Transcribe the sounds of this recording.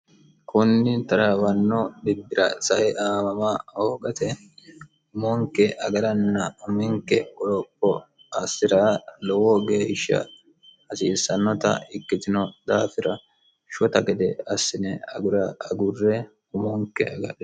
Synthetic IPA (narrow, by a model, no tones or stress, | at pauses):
kʰʊnːɪt̪ɐɾɐwɐnːɔd̪ɪbːɪɾɐ̰sɐʔɛʔaːmɐmaoːɡɐt̪ɛ | ʊmɔŋkːɛʔɐɡɐɾɐnːɐʊmɪŋkɛɔlɔpːɔ | ɐsːɪɾɐlɔwɔɡe̞ːʃːɐ̰ | ɐsiːsːɐnːɔt̪ɐ̰ɪkːɪt̪ɪnɔd̪aːfɪɾɐ | ʃɔt̪ɐɡɛd̪ɛɐsːɪnɛɐ̰ɡʊɾɐɐɡʊrːɛ | ʊmɔŋkːɛ̰ɐɡɐ̰ᶑɛ